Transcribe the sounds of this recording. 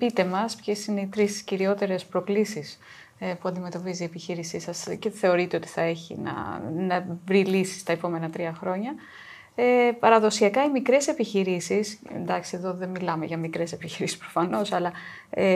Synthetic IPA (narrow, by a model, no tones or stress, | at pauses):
pit̪e̞mɐspçe̞sineit̪ɾist̪i̥sciɾiot̪e̞ɾe̞spɾo̞klisis | puɐnd̪ime̞t̪o̞pizie̞piçiɾisisɐsce̞θe̞o̞ɾit̪eot̪i̥θɐe̞çḭnɐ̰nɐvɾilisi̥st̪ɐepo̞me̞nɐt̪ɾiɐxɾo̞ɲɐ | epɐɾɐðo̞siɐkɐimikɾe̞se̞piçiɾisisḛnd̪ɐksie̞ðo̞ðe̞mmilɐme̞̰ʝɐmikɾe̞se̞piçiɾisi̥spɾo̞fɐno̞sɐlɐ | e